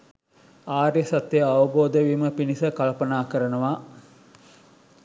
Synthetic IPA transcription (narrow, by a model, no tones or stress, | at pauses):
aːɾjəsɐt̪ːejɐʋɐboːd̪əʋiːməpinisəkalpɐnaːkəɾənəʋaː